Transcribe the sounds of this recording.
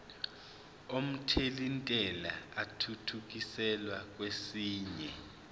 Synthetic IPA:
om̩tʰelintʼɛla̰atʰutʰuk̬isɛlwak̬wesiːɲɛ

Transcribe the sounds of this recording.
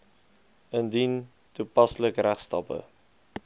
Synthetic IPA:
əndin | tupɑsləkɾæχstɐpə̰

